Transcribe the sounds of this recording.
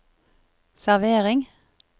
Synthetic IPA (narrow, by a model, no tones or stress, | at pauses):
sæʁʋeːʁɪŋ